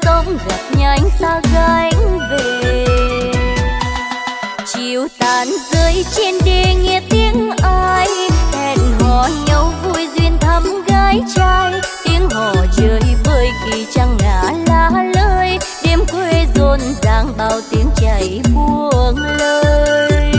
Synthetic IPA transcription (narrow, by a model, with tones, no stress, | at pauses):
t̪ə˧wŋ͡mɣo˨˩t̚ɲa˧jŋ̟t̪aː˧ɣa˧jŋve˨˩ | t͡ɕi˧əwt̪aː˨˦nzəː˨˧˦jt͡ɕe˧nɗe˧˩ŋi˧˩ətt̪ːi˨˧˦əŋʔaː˧jhɛ˧˩nɦɔ˧˨˩ɲə˨˦wvu˧jzwi˧ənt̪ʰə˧mɣaː˧jt͡ɕaː˧jt̪i˨˦əŋɦɔ˧˩t͡ɕəː˨jvəː˧˩jɣi˨˩t͡ɕa˧ŋːa̰ː˧˨laː˧ləː˧jɗe˧mkwe˧zo˧nzaː˨˧˩ŋɓaː˧˩wt̪i˨˦əŋt͡ɕə˨˩jɓu˧əəŋləː˧j